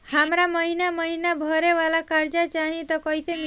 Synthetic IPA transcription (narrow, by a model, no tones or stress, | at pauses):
hamɾaməɦinaməɦinabʱəɾeʋalakaɾd͡ʒat͡ʃaɦĩt̪ɔkɔjsem